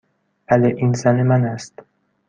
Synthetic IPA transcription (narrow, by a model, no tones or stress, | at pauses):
væleʔiːnzænemænæst̪